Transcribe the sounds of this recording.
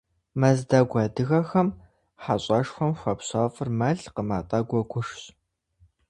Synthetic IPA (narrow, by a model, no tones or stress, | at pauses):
mɐzdɐɡʷɐːdɨɣɐxɐm | ħaɕʼɐʂxʷɔmxʷɐpɕɑːfʼɨrmɐɮqəma̰ːtʼɐɡʷɔɡʷʊʂɕ